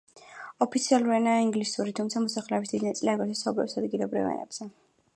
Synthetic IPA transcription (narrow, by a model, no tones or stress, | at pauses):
ɔpʰit̪sʰialˠuɾianaːiŋɡlisuɾit̪ʰumt̪sʰamɔsaχlɛɔbisd̪id̪inat̪sʼliaɡɛt̪ʰɛsaublɛfsad̪ɡilˠɔbɾḭvɛ̰nɛ̰b̥z̥ɛ